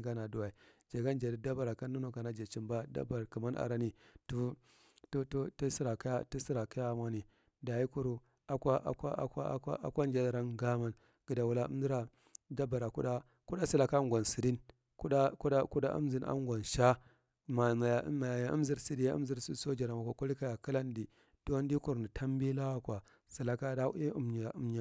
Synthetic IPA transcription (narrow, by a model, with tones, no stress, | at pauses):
ɡa˦na˨du˨wa˨i˨d͡ʒa˨ɡa˦nd͡ʒa˨di˨da˦ba˨ɾa˨ka˦nː˦u˦no˦˨ka˨na˦d͡ʒe˨t͡ʃi˦mba˦da̰˦ba˨ɾki˨ma˦na̰˨ɾa˦ni˨tu˦ | tttu˦sɾa˨kja˦ti˦si˦ɾa˨ki˦ja˦˨mʷa˦ni˨ | da˨ji˦ku˦ɾu˨ | a˨kʷa˦ʔa̰˨kʷa˦ka˦ka˦ʔa̰˦kʷa˦nd͡ʒa˦a˨ɾa˦nɡa˦ma˨n | ɡ̥i˨da˨wu˨la˦ṵ˦m˦di˦ɾa˨ | da˦ba˨ɾa˨ku˦ɗa˦ | ku˦ɗa˦si˨la˨ka˦ŋɡʷa˨nsi˨di˦n | ku˦ɗa˦ku˦ɗa˦ku˦ɗa̰˦ʔṵ˦m˦zi˨nʔa̰˦ŋ˦ɡʷa˨nʃa˦ | ma˨ma˨ja̰˨˦ma˨ja˨ja˨ʔṵ˦m˦zi˦ɾsi˨di˦ja˦ṵ˦mzi˦ɾsso˦d͡ʒa˨ɾa˨ma˨kʷa˨ku˦li˦ka˦ja˨ki˦la˦ndi˨ | d̥o˦ndi˦ku˨ɾni˨tʰa˦m˦bi˦la˦wa˦kwa˨ | si˨la˨ka˦da˦i˦u˦ma˨u˨˦mɲa˨